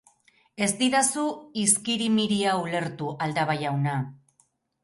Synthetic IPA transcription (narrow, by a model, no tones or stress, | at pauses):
e̞zd̪iɾasuiskiɾimiɾiaule̞ɾt̪uʔald̪aβajawna